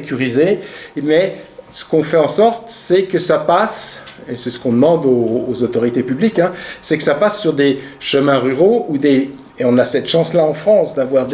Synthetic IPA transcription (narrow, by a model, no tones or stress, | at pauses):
kʲyʁizemɛsə̥kɔ̃fɛɑ̃sɔʁt̪sɛkəsapasesɛsə̥kɔ̃d̪əmɑ̃d̪oːzot̪ɔʁit̪epyblikɛ̃sɛkə̥sapasːyʁd̪e | ʃəmɛ̃ʁyʁoud̪e | eɔ̃nasɛt̪ʃɑ̃slaɑ̃fχɑ̃sd̪avwaʁd̪